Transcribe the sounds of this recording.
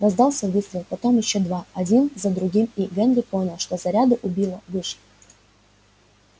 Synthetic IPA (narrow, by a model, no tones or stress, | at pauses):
rɐzd̪ɑlˠsʲəvʲɨslʲɪpɐt̪o̞mjɪɕːod̪vaɐdʲinzəd̪ɾʊɡʲimiɡɛnlʲɪpo̞nʲəlˠʂt̪ozɐɾʲad̪ɨʔʊbʲilˠəvɨʂ